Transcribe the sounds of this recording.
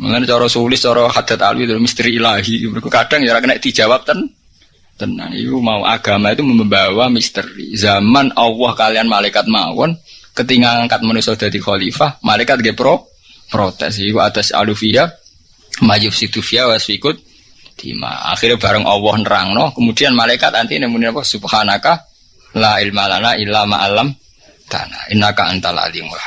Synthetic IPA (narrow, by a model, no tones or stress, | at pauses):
mṵŋant͡ʃɔɾɔsulɪs̚t͡ʃɔɾɔhad̪̥a̤t̪a̰luit̪ulmist̪ɾiːlaɦimikukad̥aŋt͡ʃaɾakənɛʔt̪i̥d͡ʒ̥awap̚t̪ən | t̪əna̰ŋḭumauʔa̰ɡ̥a̤mait̪uməməmbawamist̪əɾḭzamanɔwɔhkalianmalakat̪̚mawɔ̰nkət̪iŋaŋkat̪̚manusɔd̪̥a̤d̪ixɔlifahmalekat̪̚ɡɛpɾɔ | pɾot̪ɛ̰s̬ikuat̪asa̰lufia | majʊfsid̪ufiawasfikʊt̪̚ | d̪̥ḭma̰a̰xirɲab̥aɾəŋʔɔwɔhnɾa̰ŋnɔhkəmudianmalaikat̪ant̪inɛmuninapɔsuphanakah | laɪlmalanailama̰ʔalam | t̪a̰na̰inakaə̰nt̪ala̰liŋa